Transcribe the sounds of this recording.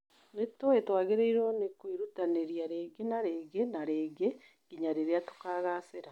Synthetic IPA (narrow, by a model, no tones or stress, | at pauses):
netoetwaːɣeɾeiɾonekwiɾutaneɾiaɾeːɡenaɾeːɡenaɾeːɡe | ɡ̥iɲaɾeɾeatu̥kaːɣaseɾa